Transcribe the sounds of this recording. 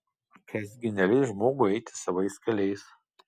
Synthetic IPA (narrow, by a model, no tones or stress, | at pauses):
kʰʲɛzʲɡʲɪnʲɛlʲɪʒmoːɡʊɛɪt̪ʲɪ̥sɐʋɐɪskʲɐlʲɛɪs